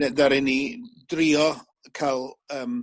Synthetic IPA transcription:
ɛdaɾɪnidriːɔ | kʰalˠəːm

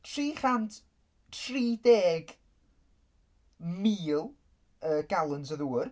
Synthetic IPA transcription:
tʰriːχand | tʰriːdeːɡ | miːlˠ | əːɡ̥alˠənsəðuːr

